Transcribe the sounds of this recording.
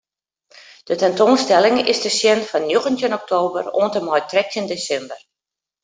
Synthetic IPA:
d̥ətɛntoːnstɛlɪŋɪzdəsjɛnfɔnːjuɣəntjənɔk̚tʰoːbə̰ro̰ːəntəmɔjtrɛk̚təndesɛmbər

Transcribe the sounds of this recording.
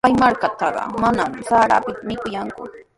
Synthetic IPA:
ajmaɾkat̪ɑɢɑ̰manamsaɾa̰pɪt̪amɪkʊjaŋkʊ

